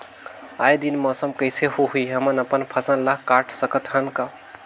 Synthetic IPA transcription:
ajd̪inmɔsəmkəjseɦuɦuiɦəmənəpənpʰəsənlakːaʈʰsəkət̪ɦənka

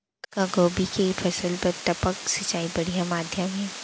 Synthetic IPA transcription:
kaɡoːbikepʰɐsəlpɐɾt̪ɐpəksɐt͡ʃaːibɐɽijamaːd̪ʱjəmɦɛː

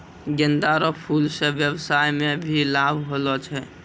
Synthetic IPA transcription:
ɡɪnd̪aɾopʰuːlseʋjəwsaːjmẽbʱilaːbʱɦoːlot͡ʃʰɛ

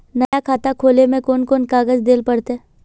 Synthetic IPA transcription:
nɐjakʰaːt̪akʰoːlemẽkoːnkoːnkaːɡəzd̪eːlpɐɽt̪ɦɛ

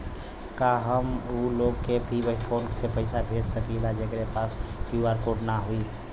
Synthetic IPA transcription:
kaɦəmuloɡkebʱibəpʰonsepəɪsabʱed͡ʒsəkilad͡ʒekɾepaskjuaɾkoʈnaɦui

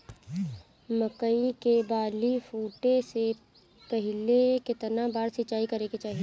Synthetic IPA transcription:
məkəikebaːlifuːʈese | pəɦɪlekɪt̪nabaːɾsɪt͡ʃaːikɐɾeket͡ʃaːɦie

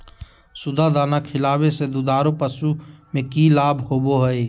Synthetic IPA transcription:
sʊd̪ʱad̪aːnakʰɪlaːwesed̪ʊd̪aːɾopəsumẽkilaːbhoːboɦəeː

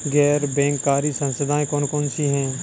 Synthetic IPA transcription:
ɡɛːɾbɛ̃ːŋkːaːɾisə̃nsəd̪ʱaːẽkɔːnkɔːnsiɦɛ̃ː

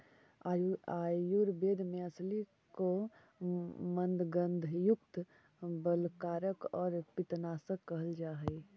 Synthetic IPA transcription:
ajuɾbeːd̪ʱmẽəsli | ko | mə̃nd̪ɡənd̪ʱjukt̪ | bəlkaːɾəkɔːɾpɪt̪naːsəkːəɦəld͡ʒaːɦəɪ

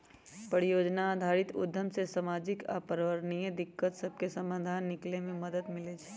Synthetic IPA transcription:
pəɽijoːd͡ʒnaːd̪ʱaːɾɪt̪ʊ̰d̪ʱːəmsesamaːd͡ʒɪka̰pəɾʋəɾnijəd̪ɪkːət̪səb̚kesɐ̃mbad̪ʱaːnːɪklemẽmɐd̪əd̪mɪled͡ʒ

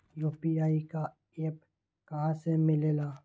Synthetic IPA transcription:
joːpiaːika | eːp | kɐɦãsemɪleːlaː

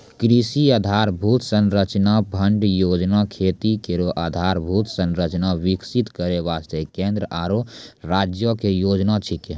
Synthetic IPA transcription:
kɾisiaːd̪ʱaːɾbʱuːt̪sənɾət͡ʃnabʱəɳɖjoːd͡ʒnakʰeːt̪ikeɾoʔad̪ʱaːɾbʱuːt̪sə̃nɾət͡ʃnaʋɪksit̪kəɾeʋaːst̪ekẽːnd̪ɾəʔaːɾoɾaːd͡ʒjokejoːd͡ʒnat͡ʃʰike

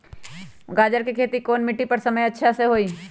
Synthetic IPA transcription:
ɡaːd͡ʒəɾkikʰeːt̪ikoːnmɪʈːipɐɾsɐməjɐtːʃʰaseɦoːiː

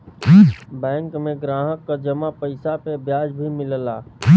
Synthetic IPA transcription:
bɛ̃ːŋkmẽɡɾaːɦəkːad͡ʒəmapəɪsapebjaːd͡ʒbʱimɪlla̰ː

